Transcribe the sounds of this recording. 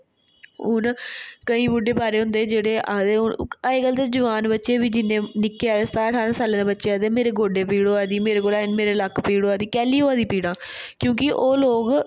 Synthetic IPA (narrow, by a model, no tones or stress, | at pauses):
ʊnkəĩːbʊɖeːbaːɾeːɦʊ̃nd̪eːd͡ʒeːɽeːʔaːd̪eːʊaeːɡəlt̪eːd͡ʒəʋaːnbətːʃeːbiːd͡ʒɪnːẽːnɪkːeːaːst̪aːəʈʰaːɾãsaːlẽːd̪eːbətːʃeːaːd̪eːmeːɾeːɡoːɖeːpiːɽoːaːd̪iːmeːɾeːkoːlaːnmeːɾeːləkpiːɽoːaːd̪iːkɛːliːoːaːd̪iːpiːɽãːkjõːkɪʔoːloːɡ